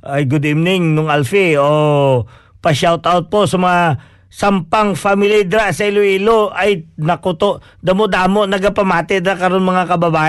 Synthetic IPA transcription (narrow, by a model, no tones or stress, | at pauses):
ʔɐjɡʊd̪ivnɪŋnʊŋalfio | pɐʃawt̪awt̪̚poʔsɐmɐŋa | sɐmpɐŋfamɪlid̪ɾaʔsɐɪloiːloʔɐjnɐkʊt̪oʔ | d̪ɐmod̪aːmoʔnɐɡapɐmaːt̪ɛd̪ɾakɐɾo̞nmɐŋakɐbɐbaː